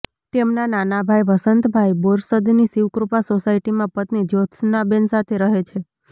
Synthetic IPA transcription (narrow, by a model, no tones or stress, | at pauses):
t̪emnananabʱajʋəsənt̪bʱajboɾsəd̪nisiʋkɾupasosaiʈimãpət̪nid͡ʒot̪ʰnabensat̪ʰeɾəɦet͡ʃʰe